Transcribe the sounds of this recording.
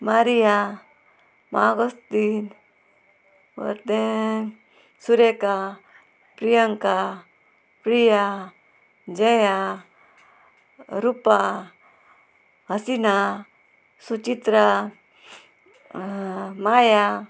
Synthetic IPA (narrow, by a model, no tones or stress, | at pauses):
maɾija | maɡost̪in | ʋɔ̰ɾd̪e | suɾeka | pɾijəŋka | pɾija | d͡ʒeja | ɾupa | ɦəsina | sut͡ʃit̪ɾa | maja